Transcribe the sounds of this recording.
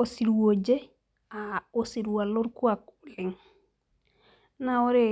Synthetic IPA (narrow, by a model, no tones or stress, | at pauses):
osiɾwod͡ʒe | aosiɾwaloɾkuakuliŋ | naoɾe